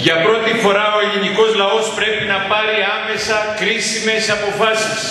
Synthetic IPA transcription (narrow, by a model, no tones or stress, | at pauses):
ʝɐpɾo̞t̪ifo̞ɾɐo̞eliniko̞zlɐo̞spɾe̞pinɐpɐɾiɐme̞sɐkɾisime̞sɐpo̞fɐsis